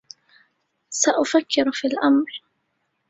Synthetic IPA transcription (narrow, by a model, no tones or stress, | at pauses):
saʔʊfakːɪɾfiːlʔamɾˤ